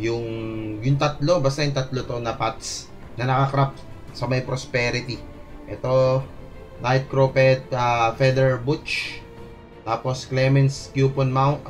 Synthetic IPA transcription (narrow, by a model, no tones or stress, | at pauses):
jʊŋjʊŋt̪ɐt̪̚lo̞bast̪ɐjʊŋt̪ɐt̪lot̪o̞nɐpat̪s | nɐnɐkɐkɾap̚ | sɐmɐjpɾospɛːɾɪt̪i | ʔɛt̪o̞ | najt̪̚kɾopɛt̪̚afɛd̪ɛɹbut͡ʃ | t̪aːposklɛmɛnskjuːponmawnt̪